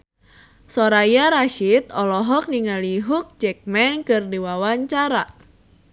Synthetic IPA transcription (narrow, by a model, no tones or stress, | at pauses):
sɔɾajaɾaʃit̪ɔlɔɦɔk̚diŋaliɦuk̚d͡ʒɛk̚mɛnkɨrdiwawaɲt͡ʃaɾa